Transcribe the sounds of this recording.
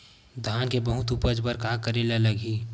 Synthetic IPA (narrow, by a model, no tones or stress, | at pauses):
d̪ʱaːnkebəɦʊt̪uːpəd͡ʒbəɾkaːkəɾeleləɡiː